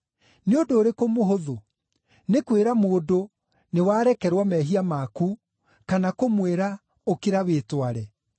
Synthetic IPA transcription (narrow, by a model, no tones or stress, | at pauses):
neondoːɾekomoɦoðo | nekweɾamoːdo | newaːɾɛkɛɾwamɛɦiamaku | kanakomweɾa | okeɾaweːtwaɾɛ